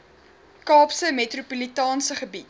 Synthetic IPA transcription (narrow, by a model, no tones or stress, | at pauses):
kɑːpsəmetrupulitɑːnsəχəbit